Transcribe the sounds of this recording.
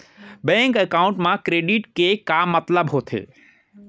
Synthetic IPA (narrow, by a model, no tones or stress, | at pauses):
bɛ̃ːŋkəkaːʊ̃ɳʈmãkɾeːɖiʈkekaːmːɐt̪ləbɦoːt̪ʰḛː